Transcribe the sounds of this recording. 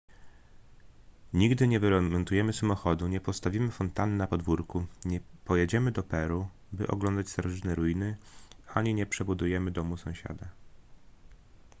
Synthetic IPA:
ɲiɡd̪ɘɲɛvɘɾɛmɛnt̪ujɛmɘsamɔxɔd̪uɲɛpɔst̪avʲimɘfɔnt̪annapɔd̪vuɾkuɲɛpɔjɛd͡ʑɛmɘd̪ɔpɛɾu | bɘ̰ʔɔ̰ɡlɔnd̪at͡ɕst̪aɾɔʐɘt̪nɛɾujinɘaɲiɲɛpʂɛbud̪ujɛmɘd̪ɔmusɔ̃w̃ɕa̰d̪a

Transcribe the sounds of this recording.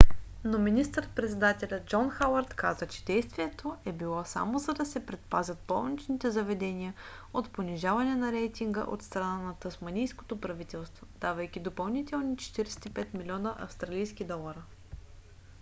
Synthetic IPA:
nominist̪əɾət̪pɾɛt̪sɛd̪at̪ɛlʲəd͡ʒɔnxawɐɾt̪kazət͡ʃɛ̥d̪ɛjst̪viɛt̪oɛbilˠɔsa̰mozɐd̪ɐsɛpɾɛt̪pazʲɐt̪̚pɔ̰lˠnit͡ʃnit̪ɛzɐvɛd̪ɛniə | ot̪poniʒavɐnɛnɐɾɛjt̪iŋɡə̰ʔo̰t̪st̪ɾɐnanɐt̪ɐsmɐnijsko̥t̪opɾɐvit̪ɛlˠst̪vod̪avəjk̟ʲid̪opɐlˠnit̪ɛlˠnit͡ʃɛ̥t̪iɾɛsɛ̥t̪ipɛt̪milʲiɔnəʔɐ̰fst̪ɾɐlijsk̟id̪ɔlˠɐɾə

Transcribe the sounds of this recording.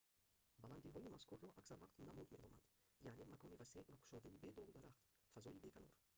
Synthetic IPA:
baland̪iɦɔimaskʰuɾːɔʔaksaɾvaqt̪namud̪me̞nɔma̰nd̪̥ | jaʕnemakʰɔnivaseʔvakʰu̥ʃɔd̪aibed̪ɔlˠud̪aɾaχt̪ | fazɔibe̞kʰanɔɾ

